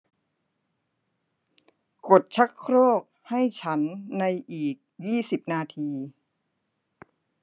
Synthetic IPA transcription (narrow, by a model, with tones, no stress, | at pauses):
ko˨˩t̪̚t͡ɕʰa˦˥kʰɾoː˥˩k̚ha˥˩jt͡ɕʰa˦˥nːa˧jʔiː˨˩k̚jiː˥˩si˨˩p̚naː˧t̪ʰiː˧